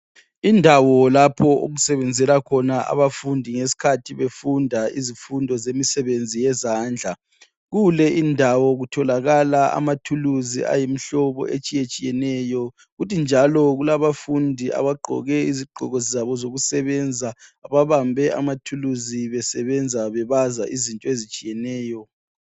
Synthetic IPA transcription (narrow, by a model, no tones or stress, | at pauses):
indʱawɔlapʰɔo̰ɣusɛβɛnd͡zʱɛlakʰɔnaʔa̰βafundʱiŋesi̥kʰatʰiβefundʱaizifundʱɔzemisɛβend͡zʱijɛzaːnd͡ɮʱa | ɣulɛʔindʱawɔɣutʰɔlaɣalaa̰matʰuluzḭa̰jim̩ɬɔβɔ̰ʔet͡ʃʼijet͡ʃʼijɛnɛjɔ | ɣutʰind͡ʒʱalɔɣulaβafundʱia̰βaɡ͡ǃʱɔ̰ɣɛiziɡ͡ǃʱɔ̰ɣɔzzaβɔzoɣusɛβɛnd͡zʱaːβaβambʱɛa̰matʰuluziβɛsɛβɛnd͡zʱaβɛβazaʔizintʼɔezit͡ʃʼijɛnɛːjɔ